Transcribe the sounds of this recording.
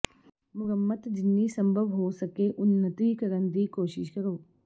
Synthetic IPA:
mʊɾəmːət̪d͡ʒɪnːisɐ̃mbʱəʋɦosɐkeʔʊnːət̪ikɐɾənd̪iːkoːʃɪʃkɐɾoː

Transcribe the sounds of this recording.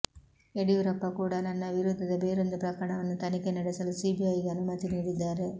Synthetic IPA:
eɽijuɾɐpːɐkuːɽɐnɐnːɐʋiɾud̪ʱːɐd̪ɐbeːɾond̪upɾɐkɐɾɐɳɐʋɐnːut̪ɐnikenɐɽɛsɐlusiːbijɐjɡeɐnumɐt̪iniːɽid̪ːaːɾe

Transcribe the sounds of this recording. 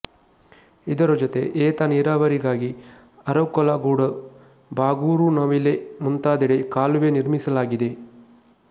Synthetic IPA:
id̪ɐɾɐd͡ʒɔt̪e̞ʔeːt̪aniːɾaːʋɐɾiɡaːɡi | ɐɾɐʋkɔlaɡuːɽɐ | baːɡuːɾunaːʋilemunt̪aːd̪iɽekaːluʋeːniɾmisɐlaːɡid̪e̞

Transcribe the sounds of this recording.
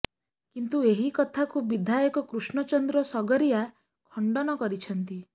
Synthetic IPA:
kint̪ueɦikɔt̪ʰakubid̪ʱajɔkɔkɾusɳɔt͡ʃɔnd̪ɾɔsɔɡɔɾija | kʰɔɳɖɔnɔkɔɾit͡ʃʰɔnt̪i

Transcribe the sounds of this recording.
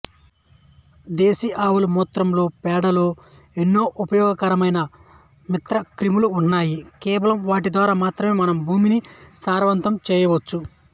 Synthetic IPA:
d̪eːsiʔaːʋulumuːt̪ɾɐmlo̞ːpɛːɽɐlo̞ː | enːo̞ːʔupɐjɔːɡɐkɐɾɐmɐjnɐ | mit̪ɾɐkɾimuluːnːaːjikɛːʋɐlɐmʋaːʈid̪ʋaːɾaːmaːt̪ɾɐme̞ːmɐnɐmbʱuːminisaːɾʋɐnt̪ɐmt͡ʃɛːjɐʋot͡ʃːu

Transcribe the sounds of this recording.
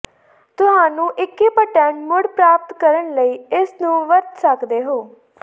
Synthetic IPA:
t̪ʊɦaːnũːʔɪkːiːpəʈɛ̃ːɳɖmʊɽpɾaːp̚t̪kəɾəɳləiːɪsnũːʋəɾt̪səkd̪eːɦoː

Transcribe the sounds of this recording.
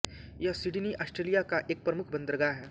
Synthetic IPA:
jasɪɖniʔaːsʈɾeːlijakaʔeːk̚pɾɐmʊkʰbɐ̃nd̪əɾəɡaɦɛː

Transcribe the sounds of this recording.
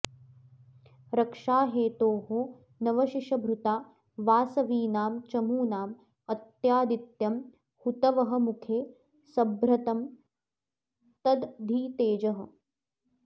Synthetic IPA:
ɾɐkʂaːɦeːt̪oːɦoː | nɐʋɐʃiʃɐbʱɾut̪aː | ʋaːsɐʋiːnaːmt͡ʃɐmuːnaːm | ɐt̪jaːd̪it̪jɐm | hut̪ɐʋɐɦɐ̆mukʰeː | sɐbɾɐt̪ɐm | t̪ɐd̪d̪ʱiːt̪eːd͡ʒɐɦɐ̆

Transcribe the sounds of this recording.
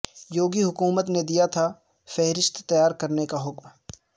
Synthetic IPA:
joːɡiɦʊkuːmət̪ned̪ijat̪ʰa | fɛɦɾɪst̪t̪ɐjaːɾkɐɾnekaɦʊkm

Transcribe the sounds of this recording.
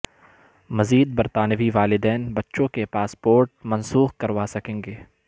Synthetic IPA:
mɐziːd̪̚bɐɾt̪aːnəʋiʋaːlɪd̪ɛːnbɐtːʃõkepaːspoːɾʈ̚mɐ̃nsuːxkɐɾʋasɐkẽːŋɡeː

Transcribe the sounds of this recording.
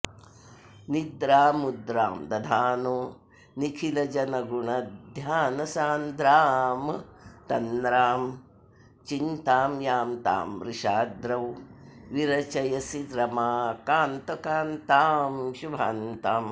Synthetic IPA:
nid̪ɾaːmud̪ɾa̰ːmd̪ɐd̪ʱaːnoː | nikʰilɐd͡ʒɐnɐɡuɳɐd̪ʱjaːnɐsaːnd̪ɾaːmt̪ɐnd̪ɾaːm | t͡ʃint̪aːmjaːmt̪a̰ːmɾiʃaːd̪ɾɐwʋiɾɐt͡ʃɐjɐsiɾɐmaːkaːnt̪ɐkaːnt̪aːmʃubʱaːnt̪aːm

